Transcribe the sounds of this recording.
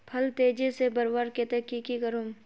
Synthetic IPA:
pʰɐlt̪eːd͡ʒesebɐɾʋaːɾket̪ekikikəɾoːm

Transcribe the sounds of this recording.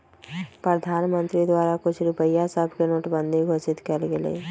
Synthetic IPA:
pɾəd̪ʱaːnmə̃nt̪ɾid̪waːɾakʊt͡ʃʰɾʊpəjːasəbʱkenoːʈbə̃nd̪ʱiɡʱoːʃɪt̪kəlɡelḛː

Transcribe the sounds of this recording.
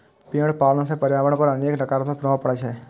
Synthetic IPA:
piəɽpaːlnõsepəɾjaːʋəɽ̃pəɾəneːknəkaːɾt̪õpɾɔ̃ːpəɽət͡ʃʰɛː

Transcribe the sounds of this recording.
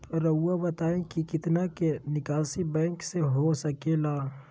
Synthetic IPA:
ɾɐːabɐt̪aːẽkikɪt̪nakenɪkaːsibɛ̃ːŋkseɦosɐkelaː

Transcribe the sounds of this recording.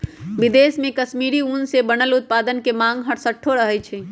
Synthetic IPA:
bid̪esmẽkəsmiɾiunsebənəlut̪̚pad̪ənkemãŋɡɦəʈsəʈʰːoɾəɦɛt͡ʃʰɛ

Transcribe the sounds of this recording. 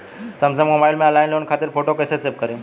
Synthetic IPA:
sɐmsəɡmobajlmẽəlajnleʋunkʰat̪iːɾfoʈokesesep̚kəɾĩː

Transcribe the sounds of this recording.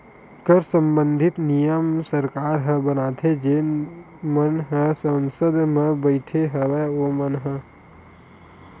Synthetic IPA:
kəɾsə̃mbə̃nd̪ʱɪt̪nijəmsəɾkaːɾɦə̃bənaːt̪ʰed͡ʒe | mənɦə̃sənsəd̪mẽbəɪʈʰeɦəʋeomənɦə̃

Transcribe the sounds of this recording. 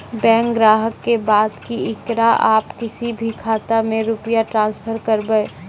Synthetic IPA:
bɛ̃ːŋkɡɾaːɦəkːebaːd̪kiɪkɾaʔaːpkɪsibʱikʰaːt̪amẽɾʊpjaʈɾãːnspʰəɾkəɾbəe

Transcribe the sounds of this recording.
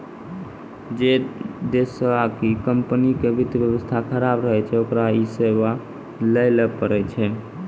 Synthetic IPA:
d͡ʒed̪esəakikəmpnikebʱit̪ʋjəwəst̪ʰakʰəɾabɾəɦɛt͡ʃʰɛokɾaiseβa | ləɪləpəɾɛt͡ʃʰɛ

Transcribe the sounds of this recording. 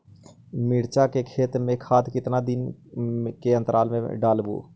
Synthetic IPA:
mɪɽt͡ʃakekʰeːt̪ɾmẽkʰaːd̪kɪt̪nad̪ɪn | keɐ̃nt̪əɾʔaːlmḛ̃ɖaːlbṵː

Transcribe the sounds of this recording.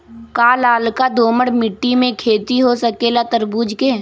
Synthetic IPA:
kaːlaːlkad̪oːməɽmɪʈːimẽkʰeːt̪iɦosəkeːlat̪əɾbuːd͡ʒkeː

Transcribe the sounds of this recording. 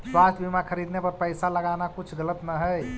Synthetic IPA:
swast̪ʰbimakʰəɾid̪nepəɾpəɪsaləɡanakut͡ʃʰɡələt̪nəɦəj

